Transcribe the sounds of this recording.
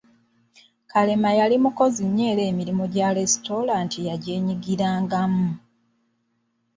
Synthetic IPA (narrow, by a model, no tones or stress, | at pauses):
kale̞majalimuko̞ziɲːe̞ːle̞ːmiɾimoɟaɾe̞sto̞ɾaːntijaɟe̞ːɲiɡiɾaːŋɡamu